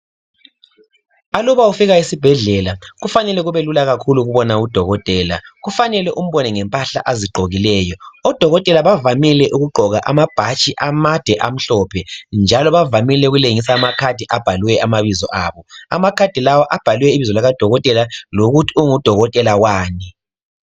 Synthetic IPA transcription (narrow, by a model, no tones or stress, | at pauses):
alɔβaufiɣaisib̥ʱɛɮɛlaɣufanɛlɛɣuβelulaɣakʰuluɣuβɔnaud̥ʱɔɣɔtʼɛːla̰ɣufanɛlɛʔum̩βɔnɛŋɛmpʼaɬa̰ʔaziɡ͡ǃʱoɣilɛːjɔɔd̥ʱɔɣɔtʼɛlaβavamilɛʔuɣuɡ͡ǃʱɔɣa̰ʔamab̥ʱat͡ʃʼiʔamad̥ʱɛʔam̩ɬɔpʰɛnd͡ʒʱalɔβavamilɛuɣuleŋisaːmakʰad̥ʱiʔab̥ʱaluwɛamaβizɔ̰ʔaːβɔa̰makʰad̥ʱilawaʔab̥ʱaluwɛiβizɔlaɣad̥ʱɔɣɔtʼɛlaloɣutʰiuŋud̥ʱɔɣɔtʼɛlawaːni